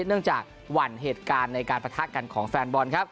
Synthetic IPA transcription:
nɯ˥˩əŋt͡ɕaː˨˩k̚ | wa˧˩nɦeː˨˩t̪̚kaː˧nːa˧jkaː˧npa˧t̪ʰa˦˥ka˧nkʰɔː˩˦ŋfɛː˧nbɔ˧nkʰa˦˥p̚

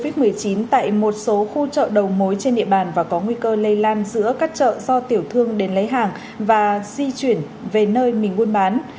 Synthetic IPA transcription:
vi˦˥t̚mɨ˨˩əjt͡ɕi˨˦nt̪a̰ː˧˨jmo˨˩t̚so˨˦xu˧t͡ɕə̰ː˧˨ɗə˨˩wmo˨˦jt͡ɕe˧nɗḭ˧əɓaː˨˩nvaː˨˩kɔ˨˦ŋwi˧kəː˧lə˧jlaː˧nzɨ̰˧˥əkaː˦˥k̚t͡ɕə̰ː˧˨zɔ˧t̪i˧˩əwt̪ʰɨ˧əŋɗe˨˦nlə˨˦jɦaː˨˩ŋ | vaː˨˩zi˧t͡ɕwi˧˩ən | ve˨˩nəː˧jmï˨˩ŋːu˧ənɓaː˨˦n

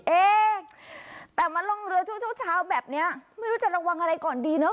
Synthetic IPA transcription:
ʔeː˧˩ | t̪ɛː˨˩ma˧nlo˧˩ŋɾɯ˧ət̪ʰu˦˥kt̪̚ʰt͡ɕʰaː˦˥wbɛː˨˩p̚ni˦˥ɐma˥˩jɾuː˦˥t͡ɕa˨˩ɾa˧wa˧ŋʔa˧ɾa˧jkɔː˨˩ndiː˧nə˦˥

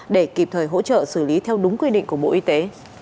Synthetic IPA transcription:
ɗe˧˩ki˨˩p̚t̪ʰəː˨˩jɦo̰˧˥t͡ɕə̰ː˧˨sɨ˧˩li˨˦t̪ʰɛ˧wɗʊ˨˦ŋ͡mkwi˧ɗḭ˧˨ŋ̟ku˧˩ɓo̰˧˨ʔi˧t̪e˨˦

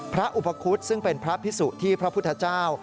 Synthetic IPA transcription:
pʰɾa˦˥ʔu˨˩pa˧kʰu˦˥t̪̚sɯ˥˩ŋpe˧npʰɾa˦˥pʰi˦˥suː˨˩t̪ʰːiː˥˩pʰɾa˦pʰt̪ʰːa˧t͡ɕaː˥˩w

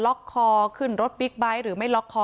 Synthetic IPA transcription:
lɔ˦˥kʰːɔː˧kʰɯ˥˩nɾo˦˥t̪̚bi˦˥k̚ba˦˥jɾɯː˩˦ma˥˩jlɔ˦˥kʰːɔː˧

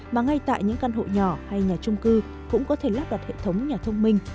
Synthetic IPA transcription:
maː˨˩ŋa˧jt̪a̰ː˧˨jɲɨ̰˧˥ŋka˧nɦo̰˧˨ɲɔ˧˩ha˧jɲaː˨˩t͡ɕʊ˧ŋ͡mkɨ˧ | kʊ̰˧˥ŋ͡mkɔ˨˦t̪ʰe˧˩laː˦˥p̚ɗa˨˩t̚hḛ˧˨t̪ʰə˨˦wŋ͡mɲaː˨˩t̪ʰə˧wŋ͡mmï˧ŋ̟

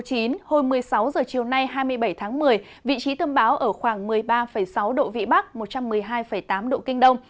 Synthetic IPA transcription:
t͡ɕi˨˦nho˧nmɨ˨˩əjsa˨˦wzəː˨˩t͡ɕi˨˩əwna˧jɦaː˧jmɨ˧əjɓə˧˩jt̪ʰaː˨˦ŋmɨ˨˩əj | vḭ˧˨t͡ɕi˨˦t̪ə˧nɓaː˨˦wʔəː˧˩xwaː˧˩ŋmɨ˨˩əjɓaː˧fə˧˩jsa˨˦wɗo̰˧˨vḭ˧˨ɓa˦˥k̚mo˨˩t̚t͡ɕa˧mːɨ˨˩əjɦaː˧jfə˧˩jt̪aː˨˦mɗo̰˧˨kï˧ŋ̟ɗə˧wŋ͡m

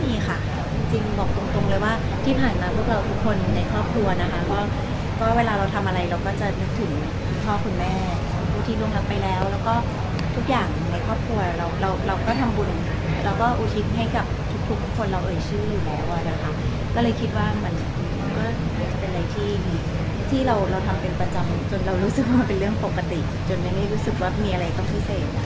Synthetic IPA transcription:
miː˧xʰa˥˩ | t͡ɕi˧ŋt͡ɕi˧ŋbɔ˨˩k̚t̪o˧ŋt̪o˧ŋlɤː˧jwaː˥˩ | t̪ʰiː˥˩pʰaː˨˩nmaː˧pʰu˥˩ək̚ɾa˧wt̪ʰu˦˥kʰːo˧nna˧jkʰɔː˥˩p̚kʰɾu˧ɐna˦˥kʰa˦˥kɔː˥˩ | kɔː˥˩weː˧laː˧ɾa˧wt̪ʰa˧mʔa˧ɾa˧jɾa˧wkɔː˥˩t͡ɕa˨˩nɯ˦˥k̚t̪ʰɯ˩˦ŋ | kʰu˧˩npʰɔː˥˩kʰu˧nmɛː˥˩ | u˧npʰuː˥˩t̪ʰiː˥˩lu˧ŋla˦˥k̚pa˧jlɛː˦˥wlɛː˦˥wkɔː˥˩ | t̪ʰu˦˥k̚jaː˨˩ŋ˨na˧jkʰɔː˥˩p̚kʰɾu˧ɐɾa˧wɾa˧wɾa˧wkɔː˥˩t̪ʰa˧mbu˧n | ɾa˧wkɔː˥˩ʔu˨˩t̪ʰi˦˥t̪̚ɦa˥˩jka˨˩p̚t̪ʰu˦˥k̚t̪ʰu˦˥k̪̚ʰːu˦˥kʰːo˧nɾa˧wʔɤː˨˩t͡ɕʰɯː˥˩juː˨˩lɛː˦˥wʔa˨˩na˨˩kʰa˦˥ | kɔː˥˩lɤː˧jkʰi˦˥t̪̚waː˥˩ma˧n | ma˧nkɔː˥˩ma˧˩nt͡ɕa˨˩pe˧nɾa˧jt̪ʰiː˥˩miː˧˥ | t̪ʰiː˥˩ɾa˧wɾa˧wt̪ʰa˧mpe˧npa˧t͡ɕa˧mt͡ɕo˧nɾa˧wɾuː˦˥sɯ˨˩k̚waː˥˩pe˧nɾɯ˥˩əŋpo˨˩kːa˧t̪i˨˩ | t͡ɕo˧nma˥jla˥˩ɾuː˦˥sɯ˨˩k̚waː˥˩miː˧ʔa˧ɾa˧jt̪ɔ˥˩ŋpʰi˦˥seː˨˩t̪̚

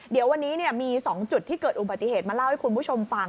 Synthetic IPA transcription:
di˨˩˦əwa˧nːiː˦˥ni˥˩ɐmiː˧sɔː˩˦ŋt͡ɕu˨˩t̪ʰːiː˥˩kɤː˨˩t̪̚ʔu˨˩ba˨˩t̪ːi˨˩heː˨˩t̪mː˧la˥˩wha˥˩jku˧npʰu˥˩t͡ɕʰo˧mfa˧

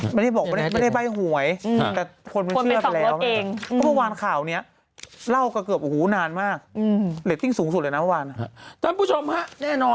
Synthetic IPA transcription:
ma˥˩da˥˩jbɔː˨˩km˥˩˥a˩ma˥˩jda˥˩jba˥˩jɦu˨˩ə˦jt̪ɛː˨˩kʰo˧npa˧ɯ˧˩ə˩˨lɛː˦˥wa˧eː˧ŋʰɔ˦˥˩pʰa˧waː˧nkʰaː˨˩wni˦˥ɐ | la˥˩wka˧˩kɤ˨˩əp̚huː˨˩˦naː˧nmaː˥˩k̚ːli˨˦t̪ːi˥˩ŋsuː˨˩˦ŋsu˨˩t̪lɤː˧n˦pʰa˧waː˧n˧t̪ʰa˥˩pʰuː˥˩t͡ɕʰo˧mha˦˥ʔnɛː˥˩nɔː˧

